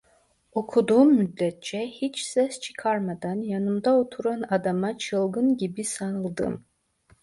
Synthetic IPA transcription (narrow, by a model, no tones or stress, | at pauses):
okʰud̪umːyd̪ːɛt̪̚t͡ʃʰɛhit͡ʃʰsɛst͡ʃʰi̥kʰarmad̪anjanɨmd̪aot̪ʰuɾanad̪amat͡ʃʰɨlˠɡɨnɡʲibisanɨlˠd̪ɨ̰m